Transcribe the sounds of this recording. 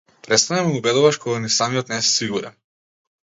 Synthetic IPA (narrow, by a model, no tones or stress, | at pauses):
pɾɛt̪st̪anɛmɛmubɛd̪uvaʃkɔɡanisamiɔt̪nɛsɛ̥siɡuɾɛ̰n